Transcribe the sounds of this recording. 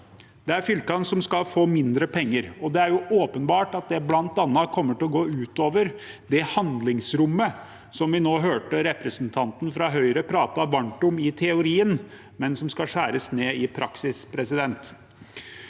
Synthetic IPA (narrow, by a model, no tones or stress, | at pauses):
d̪̥ɛæɾfʏlkɑnsɔmskɑlfoːmɪnd̪ɾəpʰɛŋːəɾɔd̪ɛæɾjʊʔoːpənbɑːʈɑt̪̚d̪ɛblɑnt̪ɑnːɑkʰɔmːəʈɪlɔɡoːʉːt̪oːʋəɾd̪ɛhɑnd̪lɪŋsɾʊmːə | sɔmʋɪnoːɦøːʈəɾɛpɾəsnt̪ʰɑnt̪n̩fɾɑɦœʏɾəpʰɾɑːt̪ɑʋɑɳʈʊmɪt̪ʰɛʊɾiːən | mɛnsɔmskɑʂæːɾəsneːɪpʰɾʔɑksɪspʰɾɛsɪd̪ɛnt̪